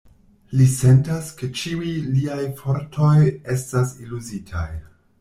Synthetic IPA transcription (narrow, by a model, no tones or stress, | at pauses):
lise̞ntaske̞t͡ʃiujliajfoɾtʰo̞je̞stasiluzitʰa̰j